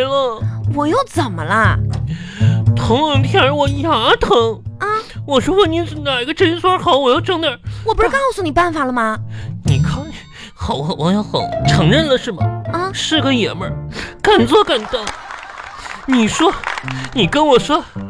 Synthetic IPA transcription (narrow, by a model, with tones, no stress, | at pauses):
lə˧wɔ˨˩jo˥˩ʊt͡sə˨˩nmə˦lə˧ | t̪ʰʊ˧˥ŋə˧˩ŋt̪ʰjɛ˥˩ə˧˥wɔ˨˧˩ja˨˩˦t̪ʰɤ˧˥ŋ˧ | wɔ˨˩ʂwɔ˥wə˥˩ni˧˥n̩˧˩na˨˩i˥ɡə˧ʈ͡ʂə˥n˥swɔ˥xɑ˨˧˦ʊwɔ˨˩jɑ˥˧ʊʈ͡ʂɤ˥˧ŋnə˨˩˦wɔ˨pu˧˥ʂɻ̩˥kɑ˥n˥˩swu˥˧ni˨˩pa˥˩nfa˨˩lə˩˧mɐ˧ni˨˩kʰɑ˥ŋ | xɑ˨˩ʊ˧˨˩wɑ˧˥ŋjɑ˥˩xɑ˨˩˦ʈ͡ʂʰɤ˧˥ŋɻə˥˩nlə˨ʂɻ̩˥˩bɐ˩˧˩ʂɻ̩˥˧ɡə˧jɛ˨˩mə˥˧˥ka˨˩nt͡swɔ˥˩ka˨˩nt̪ɤ˥˩ŋ | ni˨˩ʂwɔ˥ni˨˩kə˥nwɔ˨˩ʂwɔ˥